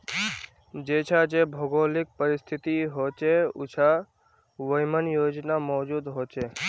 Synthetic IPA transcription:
d͡ʒet͡ʃʰad͡ʒebʱoɡoːlɪk̚pəɾɪst̪ʰɪt̪iɦoːt͡ʃeʊ̰t͡ʃʰa | ʋəjmənjoːd͡ʒnamɔːd͡ʒuːd̪ɦoːt͡ʃe

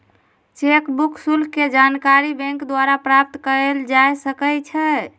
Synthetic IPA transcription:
t͡ʃekbukʰsulkked͡ʒankaɾibɛ̃ŋkd̪waɾapɾap̚t̪kəɾeld͡ʒajsəkət͡ʃʰɛ

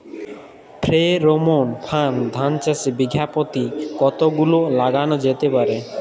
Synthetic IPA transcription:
pʰɾeɾomonpʰand̪ʱant͡ɕasibiɡʱjapot̪ikɔt̪oɡulolaɡanod͡ʑet̪epaɾe

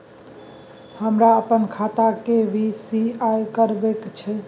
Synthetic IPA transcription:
həmɾaəpənkʰat̪akebʱisiajkəɾbekt͡ʃʰɛ

